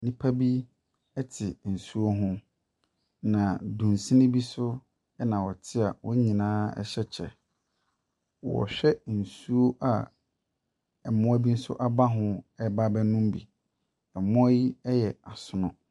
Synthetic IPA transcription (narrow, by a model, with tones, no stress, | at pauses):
nĩ˦pʰa˦bi˦ | ɛ˦tʰɪ˨n̩˨su˦o˦ɦʊ̃˦ | nã˨dũ˨nsĩ˦nɪ̃˦bi˦sʊ˦ | ɛ˦nã˨wɔ˨tʰɪ˦a˨wɔ˦ɲĩ˨nãː˦ɛ̰˦ɕɛ˦t͡ɕʰɛ̰˨ | wɔ̰˨ɕᶣɛ˦n̩˨su˦o˦ʔa˨ | ɛ˨mʊ̃˦æ˦bi˦n̩˦sʊ̰˦ʔa˦ba˦ɦʊ̃˦ɛ˦ba˦bɛ˦nʊ̃˦m˦bi˨ | ɛ˨mʊ̃˦æ˦ji˦ɛ˦jɛ˨a˨sʊ˦nʊ̃˦